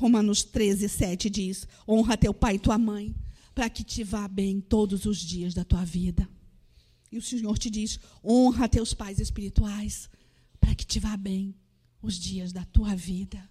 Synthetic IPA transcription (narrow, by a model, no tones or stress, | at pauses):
homɐ̃nʊst̪ɾezɪsɛt͡ʃɪd͡ʒisõɦɐt̪ewpajɪt̪uɐmɐ̃j̃ | pɾɐkɪt͡ʃɪvabẽj̃t̪od̪ʊzʊzd͡ʒiɐzd̪ɐt̪uɐvid̪ɐ | ɪʊseɲoɾt͡ʃɪd͡ʒis | õɦɐt̪ewspajzespiɾit̪uajs | pɾɐkɪ̥t͡ʃɪvabẽj̃ | ʊzd͡ʒiɐzd̪ɐt̪uɐvid̪ɐ